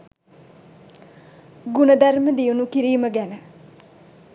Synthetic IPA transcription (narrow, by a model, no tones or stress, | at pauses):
ɡunəd̪ʱɐɾməd̪ijunukiɾiːməɡɛnə